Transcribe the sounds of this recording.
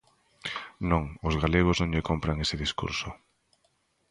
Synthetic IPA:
nõŋʊzɣaleɣ̞oznõŋʎekompɾaŋesɪðiskṵɾsʊ

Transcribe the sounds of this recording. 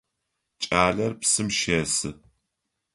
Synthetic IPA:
t͡ʃʼaːɮɐrpsɨmʃeːsɨ̰

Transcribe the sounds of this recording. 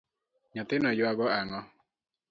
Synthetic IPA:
ɲɔt̪ɪnɔjwaɡɔaŋɔ

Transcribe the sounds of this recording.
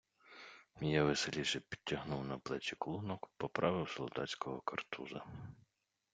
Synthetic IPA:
jaʋeselʲiʃɛpʲi̥d̚ʲːɐɦnuwnɐplˠɛt͡ʃʲiklˠunɔkpɔpɾʔɑʋɪwsɔlˠd̪ɑ̰t͡sʲkɔɦɔkɐrt̪ʰuzɐ

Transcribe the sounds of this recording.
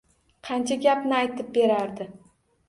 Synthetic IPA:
qʰɑnt͡ʃʰaɡʲapnɪajt̪ɪp̚be̞ɾaɾd̪ɪ

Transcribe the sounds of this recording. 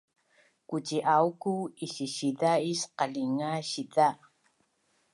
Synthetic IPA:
kut͡ʃiʔawkuiɕiɕiðaisqaɮiŋaɕiða

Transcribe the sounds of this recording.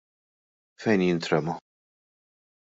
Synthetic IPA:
fɛjnjɪnt̪ɾɛmɐ

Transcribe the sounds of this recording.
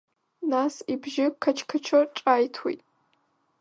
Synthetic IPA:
naːsibʒɪkʰɐt͡ʃʰkʰɐt͡ʃʰɐʈ͡ʂʼaːjtʰwḭjtʼ

